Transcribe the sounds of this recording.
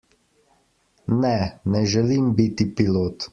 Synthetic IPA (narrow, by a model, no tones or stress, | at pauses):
nɛnɛʒɛlimbit̪ipiloːt̪